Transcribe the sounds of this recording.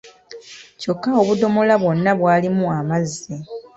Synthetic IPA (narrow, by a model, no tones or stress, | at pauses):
co̞kːao̞βudo̞mo̞laβwo̞nːaβwaːlimuamazːe